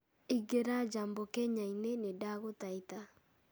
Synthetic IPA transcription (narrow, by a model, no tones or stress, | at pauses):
iɡeɾad͡ʒambokɛɲainenedaɣotaita